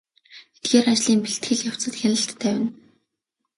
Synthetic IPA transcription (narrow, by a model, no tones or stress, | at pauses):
et̪̚ɡeːɾat͡ɕɮiːmpiɬt̪ɡɘ̆ɮjaw̥t͡sə̆t̪xʲanə̆ɬt̪ʰːæːwɪ̆n